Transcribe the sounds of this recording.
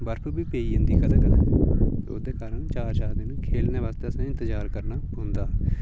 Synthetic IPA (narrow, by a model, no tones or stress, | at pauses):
bəɾpʰʊɾbiːpeːiːənd̪iːkʰəd̪əɡə | ʊ̰d̪eːkaːɾəɳt͡ʃaːɾt͡ʃaːɾd̪ɪnũːkʰeːlneːʋaːst̪eːəsnẽːɪ̃nt̪əzaːɾkəɾnaːʊ̃nd̪aː